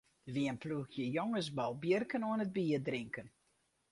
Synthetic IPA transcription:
ʋiənpluxjəjoŋəs̬bɔlˠbjərkənoənəd̚biːərdrɪŋkən

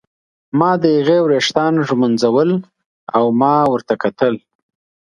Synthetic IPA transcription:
mɑd̪əjaɣewɾeʂt̪ɑnʒmʊnzawəl | awmɑwəɾt̪akat̪əl

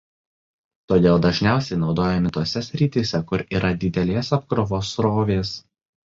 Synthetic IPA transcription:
t̪oːd̪ʲeːlˠd̪ɐʒʲnʲæˑʊsʲɛɪnɒʊd̪oːjɛmʲɪt̪uɔsʲɛsʲɾʲiːt̪ʲisʲɛkʊɾiːɾʔɐd̪ʲɪd̪ʲɛlʲeːsɐp̚kɾɔʋoːsɾoːʋʲeːs

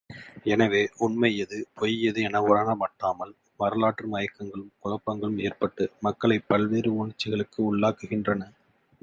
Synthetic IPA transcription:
ɛnɐʋeːʔʊnmɐjɐðɯpʰɔjɐðɯɛnɐʋɯɾaːnɐmɐʈːaːmɐl | ʋɐɾɐlaːʈrɯmɐjɐkːɐŋɡɐɭɯmkʊɭɐpːɐŋɡɐɭɯmeːrpɐʈːɯmɐkːɐɭɐɪpːɐlʋeːɾɯʊɳɪt͡ʃːɪɣɐɭɯkːɯʊɭːaːkɯɣɪndrɐnɐ

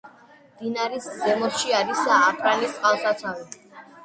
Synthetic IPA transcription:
md̪inaɾiszɛmɔsʃiaɾisaːpʰɾanist̪ʼqʼalˠsat̪sʰavi

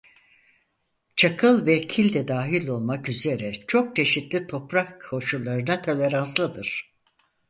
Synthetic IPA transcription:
t͡ʃʰakʰɯlˠvɛcʰilʲd̪ɛd̪aːɦilʲo̞lˠmakyze̞ɾɛt͡ʃʰo̞k̚t͡ʃʰe̞ʃit̪lʲit̪ʰo̞pɾakʰo̞ʃulˠːaɾɯnat̪ʰo̞lʲe̞ɾanslˠɯd̪ɯɾ̥

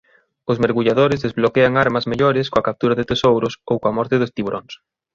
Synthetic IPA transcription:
ʊzmeɾɣuʎaðoɾɪzðezβlokeaŋaɾmɐzmeʎoɾɪskõɐkap̚t̪uɾɐðɪt̪esowɾʊsowkoɐmɔɾt̪ɪðost̪iβoɾʔoŋs

